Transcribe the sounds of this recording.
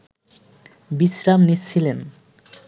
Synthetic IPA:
bisɾamnit͡ɕɕʰilen

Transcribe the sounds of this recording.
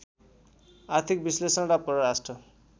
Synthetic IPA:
art̪ʰik̚bislesʌnɾapʌɾʌɾasʈrʌ

